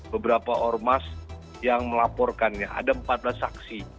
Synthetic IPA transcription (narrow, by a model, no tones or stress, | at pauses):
bəbəɾapaʔɔrmas | jaŋməlapɔrkanɲaʔa̰dampat̪̚blasːaksi